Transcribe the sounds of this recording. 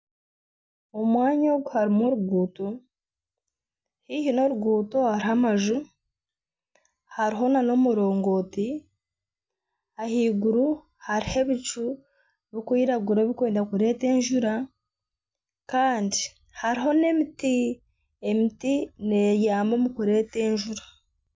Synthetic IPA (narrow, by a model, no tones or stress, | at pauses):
omwaːɲoːɡuhaɾimoɾuɡuːto | hihino̞ɾuɡuːtohaɾiɦamaʒu | haɾiɦo̞nano̞muɾo̞ːŋɡo̞ːti | ahiːɡuɾu | haɾihe̞βit͡ʃu | βikwiːɾaɡuɾaβikweːndakuɾe̞ːte̞ːɲʒuɾa | kaːndi | haɾiɦo̞ne̞miti | emitine̞jaːmo̞mukuɾe̞ːte̞ːɲʒuɾḁ